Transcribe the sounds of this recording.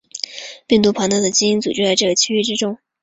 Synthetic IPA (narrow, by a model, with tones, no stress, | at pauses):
pi˥˩ŋt̪u˧˥pʰɑ˧˥ŋt̪ɑ˥˩d̪ə˩t͡ɕi˥i˥nt͡sṵ˨˩ʈ͡ʂɻ̩˥t͡sa˥˧ɪʈ͡ʂɤ˥˩ɡə˩t͡ɕʰy˥y˥˩ʈ͡ʂɻ̩˥ʈ͡ʂʊ˥ŋ